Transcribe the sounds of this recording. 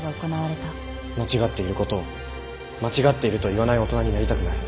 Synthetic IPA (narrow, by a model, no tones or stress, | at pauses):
ɡaoko̞naβaɾe̞t̪a | mat͡ɕiɡat̪ːe̞iɾɯ̟ko̞t̪o̞ː | mat͡ɕiɡat̪ːe̞iɾɯ̟t̪o̞iβanaio̞t̪o̞naɲ̟inaɾʲit̪akɯ̟naɾi